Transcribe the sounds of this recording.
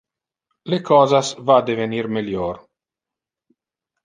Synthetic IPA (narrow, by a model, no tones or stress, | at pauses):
lekʰɔːzasvad̪eveniɾmeljoɾ